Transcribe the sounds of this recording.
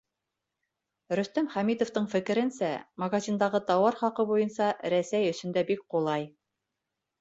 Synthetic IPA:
ɾɵ̆st̪æmχæmit̪oft̪ɤɴfɘ̆kɘ̆ɾɘ̆nsæmɐɡazʲind̪ɑʁɤt̪ɑwɑɾχɑqɤbujɤ̆nsɑɾæsæjɵ̆sɵ̆nd̪æbik̚qulˠɑj

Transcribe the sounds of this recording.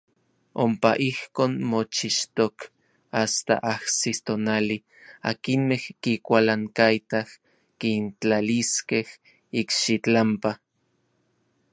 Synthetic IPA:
ompaʔihkoːnmot͡ʃiʃt̪ok | ast̪a̰ʔahsit̪onali | a̰kinmehkikʷalaŋkait̪ah | kint͡ɬaliskeh | ikʃit͡ɬampa

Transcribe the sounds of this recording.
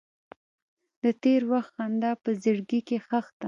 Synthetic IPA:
d̪ət̪eɾwaxt̪xand̪ɑpəzəɽɡikexaxt̪a

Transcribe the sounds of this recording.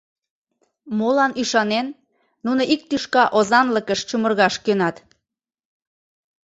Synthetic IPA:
molɑnyʃɑnenː | unoʔik̚t̪yʃkɑʔozɑnləkəʃt͡ɕumərɣɑʃkønɑt̪

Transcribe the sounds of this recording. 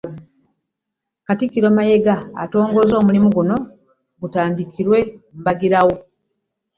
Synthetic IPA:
katikːiɾoːmaje̞ɡa̰ːto̞ːŋɡo̞zo̞ːmulimuɡuno̞ | ɡutaːndikiɾwe̞m̩baɡiɾawo

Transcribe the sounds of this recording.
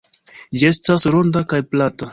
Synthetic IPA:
d͡ʒie̞stasɾo̞ndakajplata

